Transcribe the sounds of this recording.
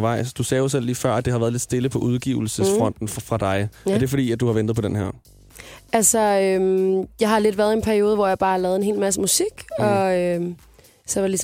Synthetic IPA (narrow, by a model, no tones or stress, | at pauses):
ʋɑ̈ɪ̰sd̥usɛːjo̝sel̰liːfɶɐ̰æd̥e̝hɑ̈ʋæɐðˠled̥sd̥e̝ləpʰɒ̽ʔuð̞ˠɡ̥ḭʊl̩səsfʁɒ̽n̰d̥n̩fʁɑ̈d̥ɑ̈ɪæɐd̥e̝fɒ̽ɾḭːæd̥uhɑ̈ʋend̥ð̩ˠpʰɒ̽d̥enɦæɐ̰ | ælsɒømjɑ̈ɪɦɑ̈le̝d̥ʋæːɐð̞ˠe̝npʰæɐio̝ːð̞ˠəʋɒjɑb̥ɑ̈ːhɑlɛːð̞ˠe̝nhe̝̰ːlmæs̬əmusiɡ̥ɒø | sɒʋɑlis